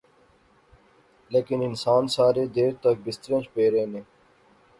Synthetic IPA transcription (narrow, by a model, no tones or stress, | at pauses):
leːkɪnɪnsaːnsaːɾeːd̪eːɾt̪ək̚bɪst̪ɾẽt͡ʃpeːɾeːnẽː